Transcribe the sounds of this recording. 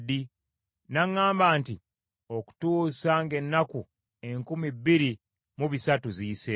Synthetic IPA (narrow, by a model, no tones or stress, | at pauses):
d̪i | naŋːaːmbaːnti | o̞ku̥tuːsaŋɡe̞nːaku | e̞ŋkumibːiɾi | muβisatuziːse